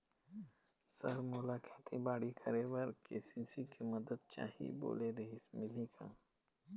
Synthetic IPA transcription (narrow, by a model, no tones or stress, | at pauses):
sɐɾmʊlaːkʰeːt̪ʰibaːɽikʰəɾewɐɾkesĩsikimɐd̪əd̪̚t͡ʃa̰ːɦḭbo̰ːleɾeɦismɪliːkʰa̰ː